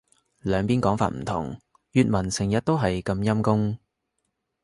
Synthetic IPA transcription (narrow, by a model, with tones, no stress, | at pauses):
lœː˨˧ŋpiː˥nkɔː˨˥ŋfa̰ː˧t̚m̩˨˩t̪ʰʊ̰˨˩ŋ | jyː˧t̚mɐ˨˩nsɪ˨˩ŋjɐ˨t̚t̪o˥wɦɐ˨jkɐ˧mjɐ˥mkʊ˥ŋ